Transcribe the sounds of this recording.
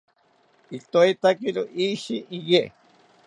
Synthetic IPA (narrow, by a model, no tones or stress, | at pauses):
it̪oait̪akiɾoʔiʃiʔije